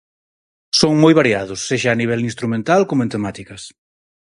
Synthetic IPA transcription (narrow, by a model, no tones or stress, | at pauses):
soŋmojβaɾiaðʊsːeʃaːniβ̞ɛlinst̪ɾumẽnt̪alkomʊẽnt̪emat̪ikɐs